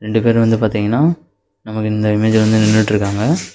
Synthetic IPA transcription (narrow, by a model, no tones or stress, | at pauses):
ɾɛɳɖɯpeːɾʋɐnd̪ɯpaːɾt̪iːŋɡɐnːaː | nɐmɐkːɯɪnd̪ɐɪmeːd͡ʒʋɐnd̪ɯnɪnːɯʈːɾɯkːaːŋɡɐ